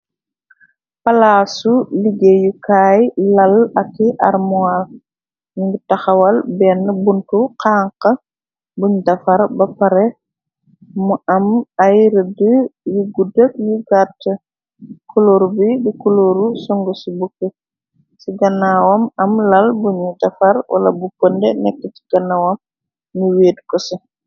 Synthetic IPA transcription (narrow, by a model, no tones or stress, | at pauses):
pɐlasuliɡejukaːjlɐlɐkːiʔɐ̰ɾmual | nŋɡutaxɐwɐlbɛnːəbuntuqaːŋqɐ | buɲdɐfɐɾbɐpɐɾɛ | muʔɐmajɾədəjuɡudək̚juɡatːə | kɔloːɾbidikuloːɾusɔŋɡɔsibukːə | siɡɐnaːwɔmɐmlɐlbuɲudɐfɐɾwʔɐ̰lɐ̰bupəndɛnɛkːəti̥ɡ̥ɐnːɐwɐm | ɲuweːdkɔsɐ